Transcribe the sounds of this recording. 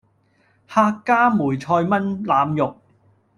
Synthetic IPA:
haː˧kːaː˥muː˨˩jt͡ʃʰɔː˧jmɐ˥nlaː˨˧mjʊ˨k̚

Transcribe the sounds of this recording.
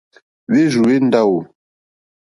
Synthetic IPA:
βe˦ʒu˨we˦n˦da˦wo˨

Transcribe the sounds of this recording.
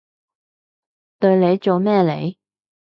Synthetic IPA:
t̪ɵ˧ɥle˨˧jt͡so˨wmɛː˥˩lḛ˨˧j

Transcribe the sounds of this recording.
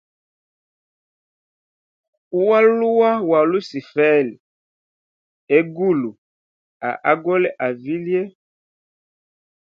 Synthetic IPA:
u˦wa˦lu˦wa˦wa˨lu˦si˨fɛ˦˨l | e˦ɡu˦˨lu˨ | a̰˨ʔa˦ɡɔ˦lɛ˦ʔa˨vi˦lje˦

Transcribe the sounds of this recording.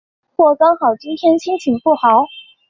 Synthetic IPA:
xwɔ˥˩kɑ˥ŋxɑ˨˩ʊt͡ɕi˥nt̪ʰjɛ˥nt͡ɕʰi˥ŋt͡ɕʰi˨˩ŋfu˥˩xɑ˧˥ʊ

